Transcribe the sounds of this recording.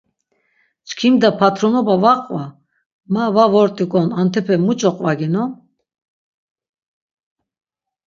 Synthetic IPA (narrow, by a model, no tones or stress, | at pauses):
t͡ʃkʰimd̪apʰat̪ʰɾɔnɔbavaqʼva | mavavɔɾt̪ʼikʼɔnant̪ʰɛpʰɛmut͡ʃʼɔqʼvaɡinɔ